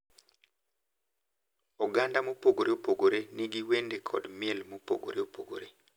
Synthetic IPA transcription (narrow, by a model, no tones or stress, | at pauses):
ɔɡandamopoɡoɾeopoɡoɾeniɡiwendekʰɔ̰dmɪɛlmopo̰ɡo̰ɾeopoɡo̰ɾe